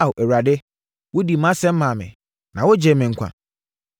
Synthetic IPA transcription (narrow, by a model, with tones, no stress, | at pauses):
wʔɛ˨wa˨dɪ˦ | wʊ˦di˨mã˦sɛ̃˦m̩˦ã˨mɪ̰̃˨ | nã˨wʊ˦d͡ʑɛ˨mɪ̃˨ŋ̩˨kʷʰa̰˨